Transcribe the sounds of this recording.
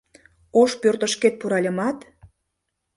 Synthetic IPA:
oʃpørt̪ə̆ʃket̪̚puɾɑlʲəmɑt̪

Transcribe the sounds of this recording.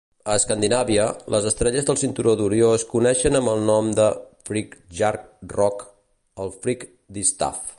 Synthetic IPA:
əːskand̪inaβiəlʔəzəst̪ɾɛʎəzðəlˠsint̪uɾoðuɾjoəskunɛʃənəmbəlˠnɔmd̪əfɾikʒaɾk̚rɔk | əlˠfɾik | d̪ist̪a̰f

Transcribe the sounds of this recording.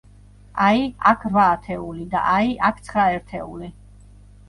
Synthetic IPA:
aiakʰɾvaːt̪ʰɛulid̪a̰ʔaiʔakʰt̪sʰχɾaɛɾt̪ʰɛuli

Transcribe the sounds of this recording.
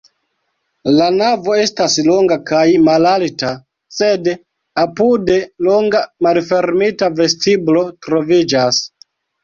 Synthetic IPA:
lanavo̞e̞staslo̞ŋɡakajmalalta | se̞d | apude̞loŋɡamalfe̞ɾmitave̞stiblo̞tɾo̞vid͡ʒas

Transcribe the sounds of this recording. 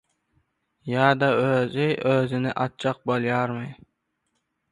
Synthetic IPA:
jɑːd̪aøzɪjøzɪnɪʔɑt̪̚t͡ʃʰɑq̚boljɑɾmaj

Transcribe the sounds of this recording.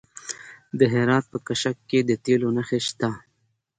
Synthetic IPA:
d̪əɦeɾɑːt̪̚pəkaʃakːed̪ət̪elonaxeʃt̪a

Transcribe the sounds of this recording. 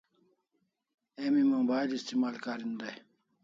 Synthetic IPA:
emiməŋbaːd̪ist̪imaːlkaːɾind̪aj

